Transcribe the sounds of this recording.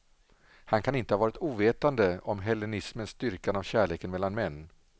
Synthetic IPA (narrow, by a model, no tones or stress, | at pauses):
hankʰanɪnt̪əhavɑːɾɪt̪uːveːt̪and̪əɔmɦɛlːɛnɪsmənst̪ʏɾkanavɕæːɭeːkənmɛlːanmɛnː